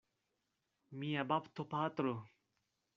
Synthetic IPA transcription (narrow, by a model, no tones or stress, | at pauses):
miɐbɐpt̪ʰopaːt̪ɾo